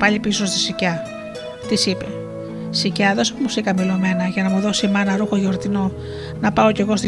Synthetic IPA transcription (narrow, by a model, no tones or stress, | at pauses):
pɐʎipiso̞st̪i̥sicɐ | t̪isipe | sicɐðo̞semusikɐmilo̞me̞nɐʝɐnɐmuðo̞simɐnɐɾuxoʝo̞ɾt̪ino | nɐpɐo̞ce̞ɣo̞st̪i